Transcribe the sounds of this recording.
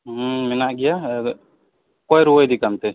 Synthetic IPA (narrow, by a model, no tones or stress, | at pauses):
mɛnaʔɡɛja | kɔjɾuwəjd̪ikamt̪ɛ